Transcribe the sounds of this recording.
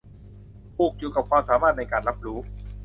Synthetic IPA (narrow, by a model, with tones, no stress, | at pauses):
pʰuː˨˩k̚juː˨˩ka˨˩p̚kʰwaː˧msaː˩˦maː˥˩t̪̚na˧jkaː˨˩nɾa˦˥p̚ɾuː˦˥